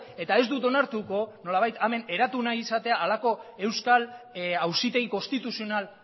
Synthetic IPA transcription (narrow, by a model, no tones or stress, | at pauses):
e̞t̪ae̞zd̪ut̪o̞naɾt̪uko̞no̞laβ̞ajt̪ame̞ne̞ɾat̪unaisat̪e̞aːlako̞e̞wskal | awsit̪e̞iko̞st̪it̪usio̞nal